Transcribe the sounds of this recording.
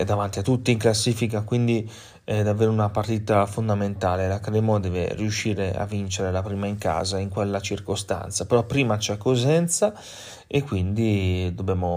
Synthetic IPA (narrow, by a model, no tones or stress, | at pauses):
ɛd̪ːavant̪iat̪ːut̪ːiːŋklasːiːfik̬akwind̪i | ɛd̪avːeːɾunapaɾt̪it̪afond̪ament̪aːlelakɾɛːmod̪ɛːvḛriuʃːiːɾea̰vːint͡ʃeɾelapɾiːmaiŋka̰ːzaiŋkwɛlːat͡ʃiɾkost̪a̰nt̪sapɛɾɔpːɾiːmat͡ʃɛkːozɛnt̪sa | ekːwind̪id̪obɛːmo